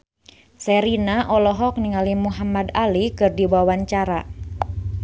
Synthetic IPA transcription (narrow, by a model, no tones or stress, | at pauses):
sɛɾinaʔɔlɔɦɔk̚niŋalimuɦamadalikɨrdiwawaɲt͡ʃaɾa